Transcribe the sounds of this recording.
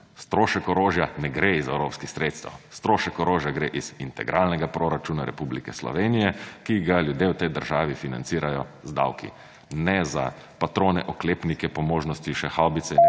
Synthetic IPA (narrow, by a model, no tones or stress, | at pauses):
st̪ɾoːʃɛkɔɾoːʒjanɛɡɾeizɛwɾoːpskixsɾet̪st̪a̰wst̪ɾoːʃɛkɔɾoːʒjaɡɾeːʔizint̪ɛ̰ɡɾʔalnɛɡapɾoɾat͡ʃuːnaɾɛ̰publikɛslɔ̰ʋeːnijɛkiɡaljud̪jewt̪ɛjd̪əɾʒaːʋifina̰nt̪siːɾajɔzd̪a̰wkḭ | nɛza̰ | pat̪ɾoːnɛʔɔkleːpnikɛpɔmoːʒnɔst̪iʃɛxawbit̪sɛ